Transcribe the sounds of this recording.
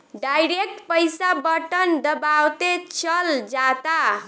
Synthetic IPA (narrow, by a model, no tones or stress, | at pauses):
ɖajɾek̚ʈpəjsabəʈənd̪əbawt̪et͡ʃəld͡ʒat̪a